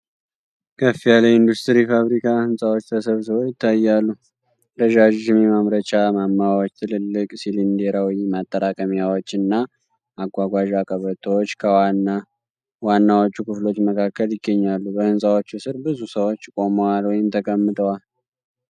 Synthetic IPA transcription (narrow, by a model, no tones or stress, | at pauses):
kʰəfijalajɪnd̪ust̪ʰɨɾifaβɾikʰahɨnsʼawo̞t͡ʃːt̪ʰəsəβsɨβojɪt̪ʰːajːalːu | ɾəʒaʒɪmemamɾət͡ʃamamːaawot͡ʃːt̪ʰɨlɨlːɨkʼsilind̪eɾawjmat̪ʼːəɾakʼəmjawo̞t͡ʃːɨnːa | ʔaɡʷaɡʷaʒakʼəβət̪ʰwot͡ʃːkʰəana | wanːawo̞t͡ʃːukʰɨflo̞t͡ʃːməkʰakːəljɪɡːəɲːalːubəhɨnsʼawo̞t͡ʃːəsɨɾbɨzusəwot͡ʃːkʼo̞məwalwɔjɪmt̪ʰəkʼəmːɨt̪ʼʰəwal